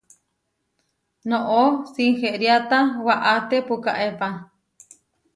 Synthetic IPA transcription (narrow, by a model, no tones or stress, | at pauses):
noʔosiŋheʔɾjat̪awaʔat̪epuka̰ʔepa